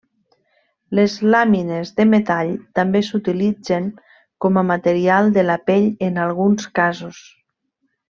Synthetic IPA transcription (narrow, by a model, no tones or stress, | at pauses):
lezlaminezðəmet̪aʎt̪ambesut̪ilid͡zeŋ | kɔməmat̪əɾialˠd̪əlapeʎənalˠɣ̞unskazus